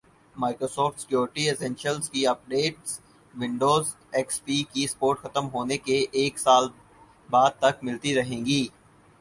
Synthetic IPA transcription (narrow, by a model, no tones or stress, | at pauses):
maːɪkɾoːsɔːfʈsɪ̥kjoːɾɪʈiesɛ̃nʃəlzkiɐp̚ɖeːʈs | ʋɪ̃ɳɖoːz | ɛkspiːkispoːɾʈxɐt̪əmɦoːnekeʔeːksaːl | baːd̪̚t̪ɐkmɪlt̪iɾɐɦẽːɡiː